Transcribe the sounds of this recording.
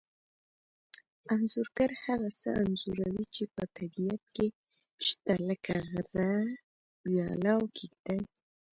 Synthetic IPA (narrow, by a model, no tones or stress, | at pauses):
anzʊɾɡaɾhaɣasə̰ʔanzuɾawit͡ʃepət̪ʰabijat̪̚ke | ʃt̪aləkaɣɾa | wjɑ̰lawkʰiɡd̪aj